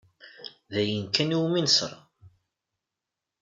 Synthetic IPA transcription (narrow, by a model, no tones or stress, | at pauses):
ðæjənkːæniwminsə̰ɾˤɑ